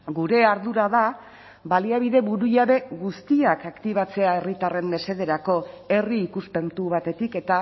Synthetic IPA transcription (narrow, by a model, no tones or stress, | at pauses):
ɡuɾe̞aɾðuɾaða | βaliaβ̞iðe̞βuɾujaβe̞ɣust̪iakakt̪iβ̞at͡se̞ae̞rit̪are̞mbe̞se̞ðe̞ɾako̞e̞riːkuspe̞nt̪uβ̞at̪e̞t̪ike̞t̪a